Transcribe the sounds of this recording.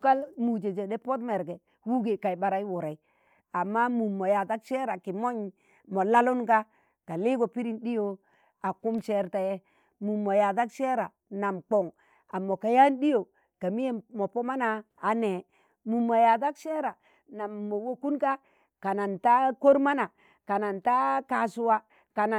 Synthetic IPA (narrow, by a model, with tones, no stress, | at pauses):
ka˦lmu˨d͡ʒe˨d͡ʒe˨de˦po˦t̬me˨ɾɡe˨ | wu˦ɡe˨ka˨jba˨ɾa˦i˦wu˨ɾa˨i˨ | a˨mːa˦mu˨mːo˨ja˨da˦kʃe˦ɾa˨ki˨mo˦ɲ | mo˨la˦lu˦nka˦ | ka˨li˦ɡo˨pi˦ɾi˨nɗi˦jo˨ | a˨ku˦mʃe˦ɾta˨je˦ | mu˨mːo˨ja˨da˦kʃe˦ɾa˨ | na˨mk͡po˨ŋ | a˨mːo˨ka˨ja˦nɗi˦jo˨ | ka˨mi˦je˦mo˨po˦ma˦naː˨ | ne˨ | mu˨mːo˨ja˨da˦kʃe˦ɾa˨ | na˨mːo˨wo˦ku˦nka˦ | ka˨na˨nta˦ko˦ɾma˦na˨ | ka˨na˨nta˦ka˨su˦wa˦ | ka˨na˨